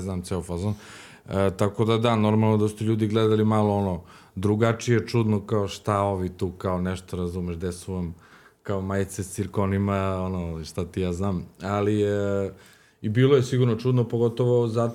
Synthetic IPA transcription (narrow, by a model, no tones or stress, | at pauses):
znaːmt̪seofazon | ət̪akod̪ad̪ano̞ɾmalˠnod̪asu̥t̪eʎuːd̪iɡlɛd̪alimalˠoono | d̪ɾuɡat͡ʂijet͡ʂud̪nokaoʃt̪ao̞ʋit̪uːkaonɛʃt̪oɾazumeʃd̪esuʋam | kaomajt̪sest̪iɾkonimaonoʃt̪at̪ijaːznaːmali | ibiːlˠojesiɡuɾnot͡ʃud̪nopoɡo̞t̪oʋoza